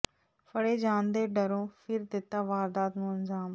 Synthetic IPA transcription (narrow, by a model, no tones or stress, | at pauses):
fʰəɽeːd͡ʒãːnd̪eːɖəɾõːpʰɪɾd̪ɪt̪ːaːʋaːɾd̪aːt̪nũːənzaːm